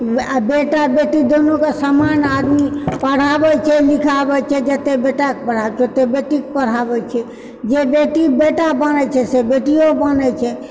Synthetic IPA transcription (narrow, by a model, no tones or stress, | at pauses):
beʈabeʈid̪onokesəmanad̪mipəɽ̤abɛt͡ʃʰɛlikʰabɛt͡ʃʰɛd͡ʒət̪ebeʈakepəɽ̤abt͡ʃʰɛt̪ebeʈik̚pəɽ̤abɛt͡ʃʰɛ | d͡ʒebeʈibeʈabənɛt͡ʃʰɛsebeʈiobənɛt͡ʃʰɛ